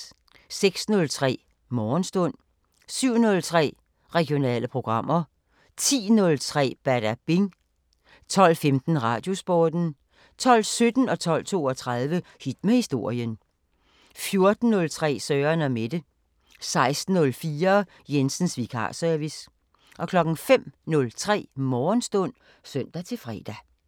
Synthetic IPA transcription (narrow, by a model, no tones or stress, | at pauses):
seɡ̥snɔ̽lt͡sʰʁɛ̰ː | mɒːnsd̥ɔ̽n̰ | syʊ̰nɔ̽lt͡sʰʁɛ̰ː | ʁɛɡ̥ijo̝nɛ̰ːləpʰʁo̝ɡ̥ʁɑ̈m̰ɐ | t͡sʰḭːnɔ̽lt͡sʰʁɛ̰ːb̥æɐɾ̥æb̥eŋ | t͡sʰɒ̽l̰femd̥n̩ʁɑ̰̈ːd̥jo̝sb̥ɒːd̥n̩ | t͡sʰɒ̽l̰sød̥n̩ɒ̽t͡sʰɒ̽l̰t͡sʰo̝̰ːɒt͡sʰʁɑðˠʋəhid̥mehisd̥o̝ɐ̰jən | fjo̝ɐd̥n̩ːɔ̽lt͡sʰʁɛ̰ːsœːɐnæmed̥ə | sɑ̈ɪsd̥n̩ːɔ̽lfiːɐ | jensn̩sʋikʰɑ̰̈sœɐʋis | ʔɒ̽kʰlɒ̽ɡ̥n̩fem̰nɔ̽lt͡sʰʁɛ̰ːmɒːnsd̥ɔ̽n̰ | søn̰d̥æt͡sʰe̝lfʁɛ̰ːd̥æ